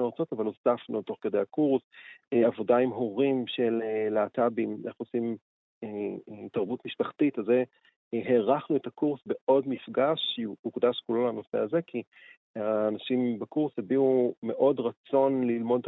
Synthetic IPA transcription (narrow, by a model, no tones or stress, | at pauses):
eʁat͡so̞tavalozafnut̪o̞χked̪ejakuʁsavo̞daimɦoʁimʃelelaːtabimeχosim | etaʁbutmiʃpaχtitaze | ɦeʁaχnuetakuʁsbe̞ʔo̞dmifɡaʃukd̪aʃkulo̞lano̞se̞̰aze̞kʰi | aːnaʃimbekuʁshebiume̞ʔo̞dʁat͡so̞nlilmo̞d̪e